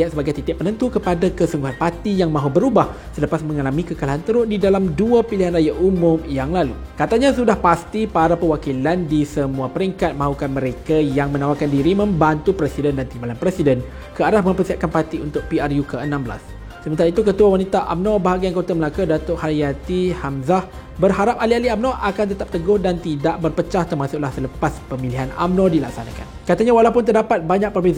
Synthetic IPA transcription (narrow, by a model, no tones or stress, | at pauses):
at̪səbaɡajt̪it̪ɪʔ̚pːənənt̪ukəpadakəsuŋɡuɦanpat̪ijaŋmãɦubəɾubah | sələpasmə̃ŋalamĩkəkalaɦant̪əɾʊʔdidalamduapiliɦanrajaʔʔumʊ̃mjaŋlalu | kat̪aɲãsudahpast̪ipaɾapəwakilandisəmũapəɾiŋkat̪̚mãɦukanmə̃ɾekajaŋmə̃nãwakandiɾimə̃mbant̪upɾɛsidəndant̪imbalanpɾɛsidən | kəaɾahmə̃mpəsiɦat̪̚kanpat̪iunt̪ʊk̚piarjukəənãmbəla̰s | səmənt̪aɾait̪ukət̪uawanit̪aʔa̰mnɔ̃baɦaɡiankot̪aməlakudat̪ʊʔhaiat̪ihamzah | bərɦaɾap̚alialiamnɔʔakant̪ət̪ap̚t̪əɡʊhdant̪idaʔbərpət͡ʃaht̪ərmasʊʔlahsələpaspəmiliɦana̰mnɔ̃dilak̚sana̰ka̰nkat̪aɲawalapʊnt̪ərdapat̪̚baɲak̚pərbeza